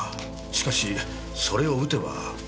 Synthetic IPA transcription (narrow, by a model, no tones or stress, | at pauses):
ɕi̥kaɕi | so̞ɾe̞o̞ɯ̟t̪e̞βa̰